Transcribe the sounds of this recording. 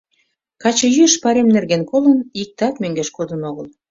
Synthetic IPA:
kɑt͡ɕɤ̆jyʃpɑɾemnerɣenkolənik̚t̪ɑkmøŋɡeʃkod̪ənoɣəl

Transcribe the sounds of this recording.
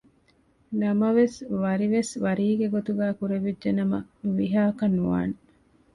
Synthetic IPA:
nɐmɐʋesʋɐɾiʋesʋɐɾiːɡeɡot̪uɡæːkuɾeʋidʒenɐmɐ̰nuʋiɦaːkɐnːuʋa̰ːne

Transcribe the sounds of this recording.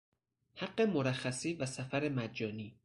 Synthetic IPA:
hæɢːe̞moɾæxːæsiːvæsæfæɾe̞mæd͡ʒɒːniː

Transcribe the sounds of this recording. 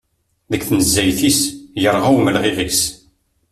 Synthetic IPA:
ðəkθnəzːæjθisjəɾˤʁæwməlʁivæs

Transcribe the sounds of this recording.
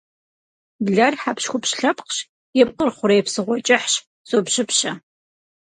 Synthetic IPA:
bɮɐrħapʃxʷʊpɕɬɐpqɕ | jɛp̚qərχʷʊɾɐjpsɨʁʷɔt͡ʃʼɪħɕ | zoːpɕɪpʰɕɐ

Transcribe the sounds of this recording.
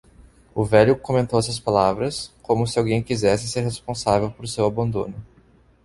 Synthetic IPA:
ʊvɛʎʊkõmẽnt̪owɛsuɐs̬palavɾɐskõmʊsɪawɡẽj̃kizɛsɪseɾɦespõsavewpoɾsewabɐ̃nd̪õ̰nʊ

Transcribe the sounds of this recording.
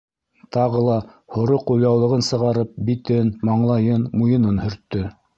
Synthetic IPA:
t̪ɑʁɤlˠɑ | hŏɾoqujlɑwlˠɤ̆ʁɤnsɤ̆ʁɑɾɤp̚bit̪ɘnmɑɴlˠɑjɤnmujɤ̆nɤnhɵ̆ɾt̪ːɵ

